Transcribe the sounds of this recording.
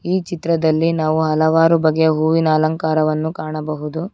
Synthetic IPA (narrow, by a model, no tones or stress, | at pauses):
iːt͡ʃit̪ɾɐd̪ɐlːinaːʋuɦɐlɐʋaːɾubɐɡeɐɦuːʋinaːlɐŋkaːɾɐʋɐnːukaːɳɐbɐɦud̪u